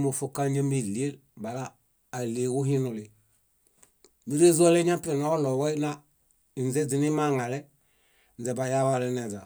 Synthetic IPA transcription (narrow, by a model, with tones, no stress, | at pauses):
mo˨fo˦ka˦ɲa˦mi˨li˨e˦l | ba˨laː˦˨ | le˨wu˦ɦi˦nu˨li˨ | ni˦ɾe˦zu˦ɔ˦lɛ˦ɲa˦pi˦˨na˦ɔ˦lɔ˨wɔ˦na˦ | i˨n˨ɛ˦d͡zi˨ni˦ma˦˨ŋa˨lɛ˦ | n̩˨ɛ˨ba˨ja˦wa˦˨lɛ˦nɛ˨d͡za˨